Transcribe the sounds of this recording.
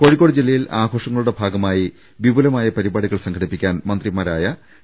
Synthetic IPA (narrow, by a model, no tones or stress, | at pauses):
koɻikːo̞ːɽɨd͡ʑilːɐjilaːɡʱo̞ːʂɐŋːɐɭuɽe̞bʱaːɡɐmaːji | ʋibulɐmaːjɐpɐɾibaːɽiɣɐɭsɐŋkʰɐɽipːikʲːaːnmɐnd̪rimaːɾaːjɐ